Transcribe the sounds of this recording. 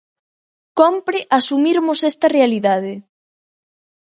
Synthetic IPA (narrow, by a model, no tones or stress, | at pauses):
kompɾɪʔasumiɾmʊsɛst̪ɐrealiðað̞ɪ